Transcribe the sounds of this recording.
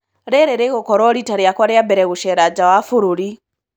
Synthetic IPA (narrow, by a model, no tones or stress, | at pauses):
ɾɛɾɛɾeɣokɔɾɔɾitaɾjakwaɾjambɛɾɛɣuʃɛɾad͡ʒawafuɾuɾi